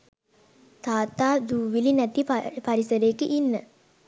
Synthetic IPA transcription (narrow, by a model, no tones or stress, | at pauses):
t̪aːt̪aːd̪uːʋilinæt̪ipaɾisəɾeːkəʔinːə